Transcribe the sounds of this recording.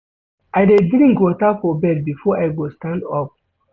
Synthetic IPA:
aɪdedɾĩŋkwɔtafɔbɛd̚bifɔʔajɡostãndɔp̚

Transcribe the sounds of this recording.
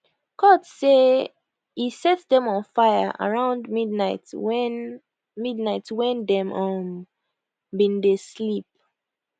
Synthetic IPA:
kɔdse | hisɛtdɛ̃mɔ̃nfaɪjə̰ʔa̰ɹãʊ̃ndmidnaɪtɛn | midnaɪtwɛ̃ndɛ̃mɔ̃m | bĩndeslip̚

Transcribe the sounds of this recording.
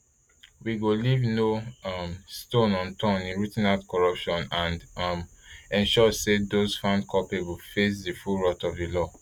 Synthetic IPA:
wiɡolivnoʌmstõnɔ̃ntʰãnĩnɹutĩnadkɔɹʌpʃɔ̃nãndmɛ̃nʃɔsedosfãndkʰɔpebufes̬difulɹɔtɔvdilɔ

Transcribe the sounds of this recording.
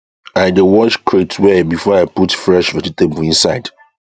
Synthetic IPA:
aɪdewɔt͡ʃkʰɹetʰwɛbifɔaɪputfɹɛʃvɛd͡ʒitebəlĩnsaɪd̥

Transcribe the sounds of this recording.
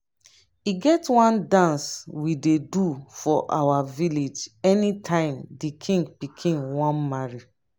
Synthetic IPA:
iɡɛtwãndãnswidedufɔʔa̰waviled͡ʒɛnitʰãɪ̃mdikʰĩŋɡpikʰĩnwɔ̃nmaɹi

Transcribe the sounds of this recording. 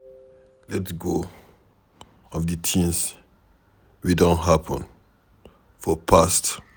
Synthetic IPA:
lɛtsɡo | ɔvdɨtʰĩns | widõnɦapʰə̃n | fɔpʰast

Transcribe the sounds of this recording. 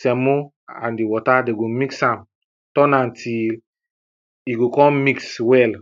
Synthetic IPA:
samo | ã̰ndiwɔtadeɡomiksãm | tɔ̃nãntʰil | iɡokɔ̃mmikswɛl

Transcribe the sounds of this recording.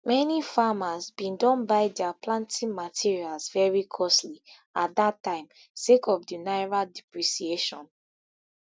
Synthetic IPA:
mɛnifamazbĩndɔ̃nbaɪdɛaplãntʰĩnmatʰiɹialzvɛɹikʰɔsli | at̚datːãɪ̃m | sekʰɔvdinaɪɹaldipɹisieʃɔ̰̃n

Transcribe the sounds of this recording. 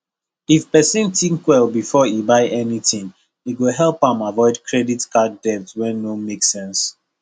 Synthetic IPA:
ifpɛsĩntĩŋkwɛlbifɔibaɪʔɛnitĩŋ | iɡoɦɛlˠpãmavɔɪdkʰɹɛditkaddɛftwɛ̃nːõmeksɛ̃ns

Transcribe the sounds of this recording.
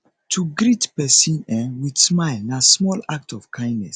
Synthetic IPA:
tʰuɡɾitpɛsĩnɛ̃wid̥smaɪlnasmɔlak̚tɔv̥kʰãɪ̃ndnɛs

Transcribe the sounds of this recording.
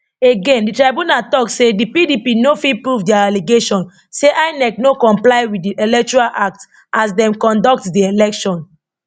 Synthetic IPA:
eɡẽnditɹaɪbũnatɔksedipidipinofipɹuvdɛaaliɡeʃɔ̃n | seʔaɪnɛk̚nokɔ̃mplaɪwidiʔelɛk̚t͡ʃuɹalʔak̚ts | as̬dɛ̃mkɔ̃ndɔk̚tdielɛkʃɔ̃n

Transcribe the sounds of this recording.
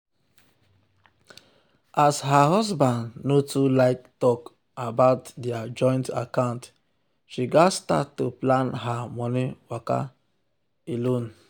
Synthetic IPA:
ʔasɦaɦɔsbãndnotulaɪk̚tɔk | abaʊtdiad͡ʒɔ̃ɪ̃nta̰kãʊ̃nt | ʃiɡasta̰tːoplãnɦamɔniwaka̰ | elõn

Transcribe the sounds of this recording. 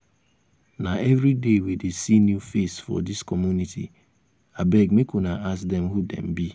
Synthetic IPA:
naɛvɾidewedesinjufesfɔ̰diskɔmjunitʰḭ | abɛɡmekunaʔasdɛmɦudɛ̰̃mbi

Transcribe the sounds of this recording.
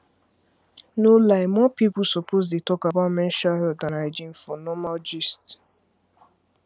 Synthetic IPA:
nolaɪmɔpipʊsɔpʰozdetɔkabamɛ̃nʃaɦɛddãnaɪd͡ʒĩnfɔnɔmald͡ʒist

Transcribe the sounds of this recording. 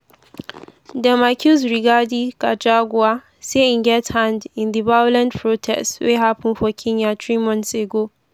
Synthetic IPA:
dɛmakʰʲuzɹiɡadikad͡ʒaɡʷʊwa | seɪnɡɛthãndɪ̃nd̪əbajʊlɛ̃npʰɹotʰɛ̰stweɦapɪ̃nɸɔkʲʰɪɲjatɹimɔ̃nseɡo

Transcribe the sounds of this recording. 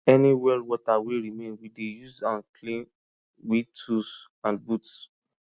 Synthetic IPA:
ɛniwɛldwɔtaweɹimẽnwidejuzãnkʰlĩn | witʰus | ãnbuts

